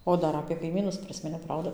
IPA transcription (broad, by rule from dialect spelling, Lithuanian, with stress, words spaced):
ˈoː ˈdɐr ɐpʲeː kɐɪˈmʲiːnʊs ˈpʲrʲɪsʲmʲɪnʲɛʊ ˈprɐʊdɐ